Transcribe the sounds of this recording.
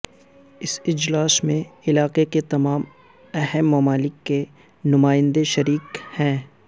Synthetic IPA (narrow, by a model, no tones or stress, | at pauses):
ɪsɪd͡ʒlaːsmẽɪlaːqeket̪ɐmaːm | ɛɦɛmːɐmaːlɪkːe | nʊmaːɪ̃nd̪eʃɐɾiːkhɛ̃ː